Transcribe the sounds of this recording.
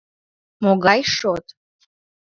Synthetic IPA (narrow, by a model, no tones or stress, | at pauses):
moɡajʂotʼ